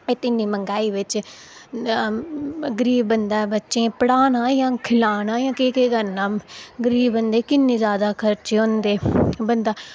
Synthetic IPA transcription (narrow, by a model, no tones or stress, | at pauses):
eːt̪ɪnːĩːməŋɡaːiːʋɪt͡ʃ | ɡəɾiːbbənd̪aːbətːʃẽːpəɽaːnãːjãːkʰɪlaːnãːjãːkeːkeːɡənaːɡəɾiːbbənd̪eːkɪnːẽːzjaːd̪aːkʰəɾt͡ʃːõːnd̪eːbənd̪aː